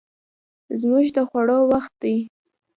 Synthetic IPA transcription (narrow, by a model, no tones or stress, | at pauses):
zmuʒd̪əxwaɽɑwaxt̪̚d̪aj